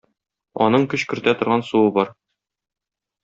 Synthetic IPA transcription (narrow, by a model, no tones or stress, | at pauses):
ɒ̰nɤɴkɵɕkɵ̆ɾt̪æt̪ŏɾʁɑnsuwɤbɒɾ